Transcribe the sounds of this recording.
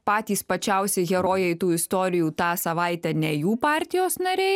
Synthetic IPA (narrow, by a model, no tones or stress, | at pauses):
pɑːt̪ʲiːspɐt͡ʃʲɛˑʊsʲɛɪɡʲɛɾoːjɛɪt̪uːɪst̪oːɾʲɪjuːt̪ɑːsɐʋɑˑɪt̪ʲɛnʲɛjuːpɑːɾʲt̪ʲɪjoːsnɐɾʲɛɪ